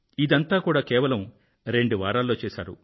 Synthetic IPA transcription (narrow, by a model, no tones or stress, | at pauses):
id̪ɐnt̪aːkuːɽaːkɛːʋɐlɐm | ɾe̞ɳɖuʋaːɾaːlːo̞ːt͡ʃɛːʃa̰ːɾṵ